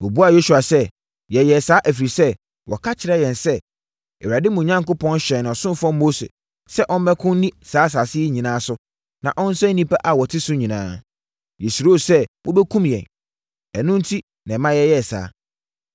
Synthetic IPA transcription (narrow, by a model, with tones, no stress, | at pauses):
wɔ˨bu˦a˨jo˦su˨a˨sɛ˦ | jɛ˨jɛ˨saː˨˦ʔæ˨fi˨ɾi˨sɛ˦ | wʔɔ̰˨kʰa˦t͡ɕʰɪ˨ɾɛ˦jɛ̃˨nsɛ˦ | ɛ˨wɾa˨dɪ˦mũ˨ɲã˦ŋkʊ˦pʰɔ̃˦nɕɛ̃˨ñ˨ɔ˨sʊ̃˦nfɔ̃˦m˦mo˦sḛ˨ | sɛ˦ʔɔ̃˦m˦mɛ̃˦kʰʊ̃˦n˦nĩ˦saː˨˦s̬aː˨sɪ˦ɛ˦ɲĩ˨nãː˦sʊ˦ | nã̰˨ʔɔ̃˦n̩˦sʊ˦æ˦nĩ˦pa˦ʔa˨wɔ˨tʰɪ˦sʊ˦ɲĩ˨nã̰ː˦ | jɛ˨su˨ɾo˦˨sɛ˦mʊ̃˦bɛ˦kʰũ˦mjɛ̰̃˨n | ɛ˨nʊ̃˦n̩˦tʰi˦ | nã˨mã˦jɛ˦jɛ˦˨sa̰ː˨˦